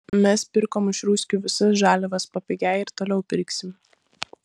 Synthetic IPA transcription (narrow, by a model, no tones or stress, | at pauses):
mʲɛspʲɪɾkoːmɪʃɾuːsʲkʲuːʋʲɪsɐsʒæːlʲɛʋɐspɐpʲɛɡʲæɪɪɾt̪oːlʲɛʊpʲɪɾʲksʲɪm